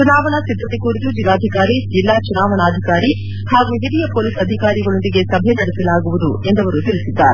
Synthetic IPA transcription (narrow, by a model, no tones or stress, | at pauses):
t͡ʃunaːʋɐnɐsid̪ʱːɐt̪ikuːɾit̪ud͡ʒilːaːd̪ʱikaːɾid͡ʒilːaːt͡ʃunaːʋɐnaːd̪ʱikaːɾi | haːɡuːɦilijɐpoːliːsɐd̪ʱikaːɾiɡɐɭo̞nd̪iɡe̞sɐbʱɛjnɐɽɛsɐlaːɡuʋud̪ue̞nd̪ɐʋɐɾut̪ilisid̪ːaːɾe